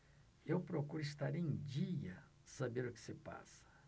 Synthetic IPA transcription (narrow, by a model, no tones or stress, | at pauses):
ewpɾokuɾɪst̪aɾẽd͡ʒiɐ | sabeɾʊkɪ̥sɪpa̰sɐ̥